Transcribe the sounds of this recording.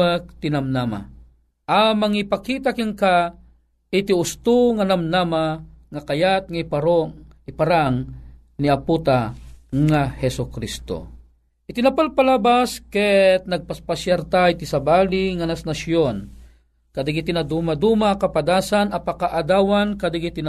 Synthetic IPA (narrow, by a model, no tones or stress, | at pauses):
ək̚t̪inamnama̰ | ʔamaŋipakit̪̬akiŋka | ɪt̪iʊst̪uŋanamnamaŋakajat̪̚ŋaipaɾoipaɾaŋ | niaput̪aŋahɛsʊkɾist̪o̰ | ʔɪt̪inapalpalabaskɛt̪̚nɐɡ̚paspasjaɾt̪ait̪isabaːliŋanasnasjon | kad̪ɪɡɪt̪inad̪umad̪umakapad̪aːsanɐpakaʔad̪aːwankad̪ɪɡit̪ina